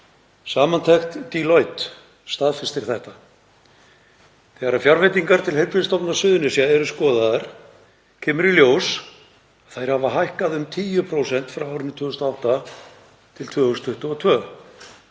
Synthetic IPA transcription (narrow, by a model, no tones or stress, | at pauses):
saːmant̪ʰɛxt̪t̪ilɔjt̪ | st̪aːðfɪ̥st̪ɪɾ̥θɛht̪a | θɛɣaɾafjaɾvɛt̪̬iŋkaɾ̥t̪ʰɪlhejɾpɾɪst̪ɔwpnḁsʏːðʏnɪsjaɛɾʏskɔːðaðaɾ̥ | cʰɛːmʏɾiljoːws | ḁθajɾ̥havaɦajhkaðʏmt̪ʰiːjʏpʰɾoːwsɛn̥t̪fɾawaːwɾɪnɪt̪ʰvʏːɣʏst̪awht̪a | t̪ʰɪlt̪ʰvœːɣʏst̪ʰʏht̪ʏɔt̪ʰvœː